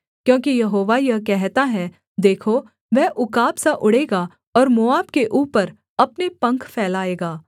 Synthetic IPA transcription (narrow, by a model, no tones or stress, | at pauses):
kjõːkijɐɦoːʋajɐkɛɦt̪aɦɛ | d̪eːkʰo | ʋɛʔʊkaːbsaʔʊɽeːɡa | ɔːɾmoaːbkeʔuːpəɾ | ɐpnepɐ̃ŋkʰfʰɛːlaːeːɡaː